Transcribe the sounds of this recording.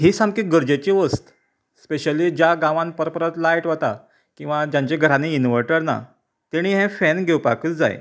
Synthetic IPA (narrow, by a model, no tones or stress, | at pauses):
ɦisãŋkiːɡəɾd͡ʑet͡ɕiʋəst̪ | speɕəliːd͡ʑjaɡãʋãnpəɾpəɾət̪lajʈʋət̪a | kĩw̃ʋad͡ʑjãɲt͡ɕeɡʱəɾaniinʋəɾʈəɾna̰ | t̪eɽ̃iːɦɛ̃fɛnɡʱewpa̰kət͡sd͡za̰j̰